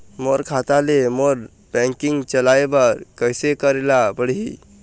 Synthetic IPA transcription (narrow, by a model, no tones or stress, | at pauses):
moɾkʰat̪alemoɾ | bɛ̃ŋkiŋɡt͡ʃəlaebəɾkəjsekəɾelabəɽɦḭ